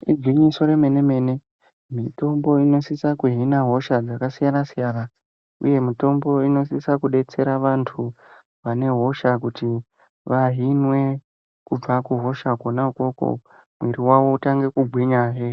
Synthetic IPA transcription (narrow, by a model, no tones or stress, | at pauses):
id͡zʱwiɲiso̞ɾeme̞ne̞me̞ne̞ | mito̞mbo̞ino̞sisakuɦinaɦo̞ʃad͡zakasijanasijaːna | ṵje̞mito̞mbo̞ino̞sisakuɗe̞t͡se̞ɾaʋantʰu | ʋane̞ɦo̞ʃakuti | ʋaɦinwe̞ | kub͡vakuɦo̞ʃakonauko̞ko̰ | mweɾiwawo̞utaŋɡe̞kuɡʱwiɲaːʃe